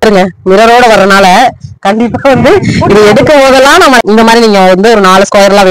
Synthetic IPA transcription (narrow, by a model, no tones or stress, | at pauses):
ɾɯŋɡɐmɪɾɐɾoːɽɐʋɐɾːɐnaːlɐkɐɳɖɪpːaːʋɐnd̪ɯɪðɯɛɽɯkːɐpoːðɐlːãːnãːmɐɪnd̪ɐmaːd̪ɾiniːŋɡɐʋɐnd̪ɯɔɾɯnaːɭɯskoːjɐɾlãːʋɪ